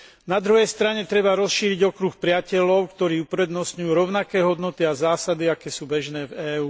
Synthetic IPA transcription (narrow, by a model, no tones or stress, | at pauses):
nad̪ɾuɦɛjst̪ɾaɲɛt̪ɾɛbaɾɔsʃiːɾiɟɔkɾuxpɾɪacɛʎɔʊkt̪ɔɾiːupɾɛd̪nɔsɲujuːɾɔʊnakɛːɦɔd̪nɔt̪iazaːsad̪iakɛːsuːbɛʒnɛːvɛːuː